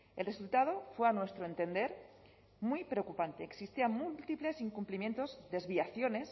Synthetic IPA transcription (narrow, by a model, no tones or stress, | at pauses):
elre̞sult̪að̞o̞fwe̞anwe̞st̪ɾoe̞nt̪e̞nd̪e̞ɾ | mujpɾeokupant̪e̞ːksist̪iamult̪iple̞siŋkumplimje̞nt̪o̞zðe̞zβiaθjo̞ne̞s